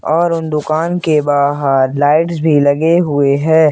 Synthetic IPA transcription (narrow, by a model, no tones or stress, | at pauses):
ɔːɾʊnd̪ʊkaːnkebaːɦaɾlaːɪʈsbʱilɐɡeɦʊeɦɛ̃ː